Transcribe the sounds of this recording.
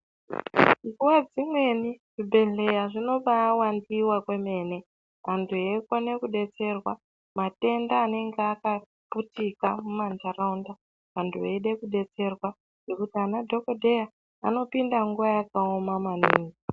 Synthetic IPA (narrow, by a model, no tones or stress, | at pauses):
ŋuwad͡zimwe̞niʐ̥ibʱe̞ɮe̞jaʐino̞ɓawandiwakwe̞me̞ːne̞ | ʋantʰuekone̞kuɗe̞t͡se̞rwa | mate̞ndaːne̞ŋɡeaka | putikamumand͡ʒaranda | ʋantʰueɗe̞kuɗe̞t͡se̞rwa | nʐ̥e̞kutianadʱo̞ko̞dʱe̞ja | ano̞pindaŋɡuʋajakaomamaniːŋɡi